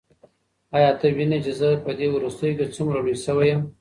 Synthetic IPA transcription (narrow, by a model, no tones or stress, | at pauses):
ɑjɑt̪awinet͡ʃezəpəd̪ewɾust̪əjoket͡sumɾaɽisəwajəm